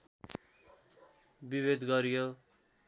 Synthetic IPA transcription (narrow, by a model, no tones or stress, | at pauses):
bibed̪ɡʌɾijo